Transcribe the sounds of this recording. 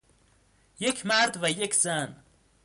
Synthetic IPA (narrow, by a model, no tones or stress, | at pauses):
jekʰmaɾd̪vajekʰzan